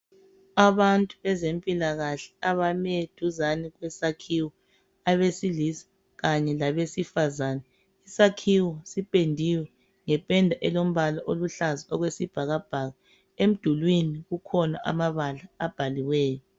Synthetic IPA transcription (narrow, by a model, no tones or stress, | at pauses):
aβantʼuβɛzempʼilaɣaɬɛ̥aβamed̥ʱuzaniɣwɛsakʰiwɔ | aβesilisḁ | ɣaɲɛlaβesifazanɛ | isakʰiwɔsipʼendʱiwɛ | ŋɛpʼɛndʱaʔɛlom̩βalaʔoluɬazaɔɣwesib̥ʱaɣab̥ʱaɣa | em̩d̥ʱulwiniɣukʰɔna̰ʔa̰maβalaːb̥ʱaliwɛːjɔ